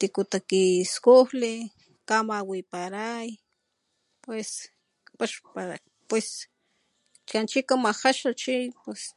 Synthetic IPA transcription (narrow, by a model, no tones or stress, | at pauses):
t̪ikut̪akiskohli | kamawipaɾaj | pwes | kpaʃpaɾa̰ | pwes | kant͡ʃikamaxaʃat͡ʃipwes